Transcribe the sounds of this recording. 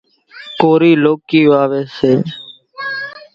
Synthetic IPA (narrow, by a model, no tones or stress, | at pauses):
koːɾiːloːkiːʋaːʋeːseː